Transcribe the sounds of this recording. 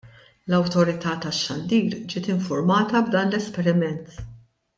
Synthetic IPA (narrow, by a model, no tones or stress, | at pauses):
lɐwt̪ɔɾɪt̪ɐːt̪ɐʃːɐnd̪iːɾd͡ʒɪːt̪ɪɱfʊɾmɐːt̪ɐbd̪ɐːnlɛspɛɾɪmɛnt̪